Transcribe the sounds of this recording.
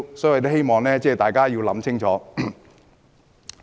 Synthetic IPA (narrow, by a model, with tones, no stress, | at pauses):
sɔ˨˥˨t̪̬ɦe˥jmɔː˨˩ŋlɛː˥t͡sɛː˥˧˩t̪aː˨jkaː˥jiː˧wlɐ˨˥mt͡sʰɪ˥ŋt͡sʰɔː˨˥